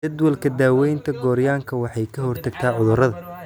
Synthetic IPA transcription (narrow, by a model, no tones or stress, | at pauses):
ɐd̪wɐlkʰɐd̪aːwɛjnt̪ʰɐɡɔːɾjaːŋkʰɐwɑħɑjkʰɐɦɔrt̪ʰɐɡt̪ʰaːʕʊðʊɾɐðɐ